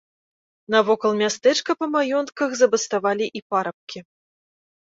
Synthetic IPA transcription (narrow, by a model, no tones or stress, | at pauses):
nɐvɔkɐlˠmʲast̪ɛt͡ʂkɐpɐmajɔnt̪kɐxzɐbɐst̪avalʲiʔipaɾɐp̚kʲi